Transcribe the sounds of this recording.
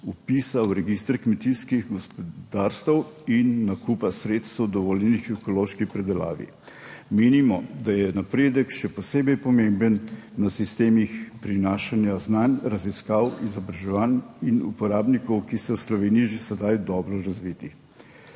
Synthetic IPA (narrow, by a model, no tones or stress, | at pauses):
upiːsawɾɛɡist̪ɾkmɛt̪iskiɣɡɔspɔd̪aːɾst̪əwinːakupasɾeːt̪st̪əwd̪ɔʋɔːljɛnixɛkɔloʃkipɾɛd̪ɛla̰ːʋḭ | meːnimɔd̪ajɛnapɾeːd̪əkʃɛpɔseːbɛjpɔmembənːasist̪eːmixpɾinaːʃanjaznanʲɾaziskawizɔbɾaʒɛʋaninṵpɔɾaːbnikɔwkisɛwslɔʋeːnijiʒesɛd̪ajd̪ɔːbɾɔɾazʋiːt̪i